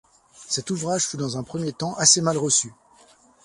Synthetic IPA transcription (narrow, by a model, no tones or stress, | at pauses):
sɛt̪uvʁaʒfyd̪ɑ̃zɛ̃pχəmjet̪ɑ̃ʔasemalʁəsy